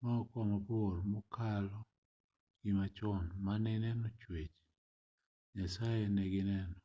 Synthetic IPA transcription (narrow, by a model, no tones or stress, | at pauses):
maɔkɔmabormɔkalɔ | ɡ̥imat͡ʃɔnmanɛnɛnɔt͡ʃwet͡ʃ | ɲasajenɛɡɪnɛnɔ